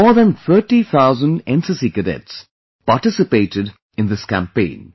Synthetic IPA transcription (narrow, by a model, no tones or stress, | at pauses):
ɔːðə̃nθʰəːʈiθaʊzə̃nɖɛ̃nsɪsikədɛ̰ts | paːʈɪsɨpeɪʈɪɖ | ɪ̃nd̪ɪskæ̰̃mpẽɪ̃n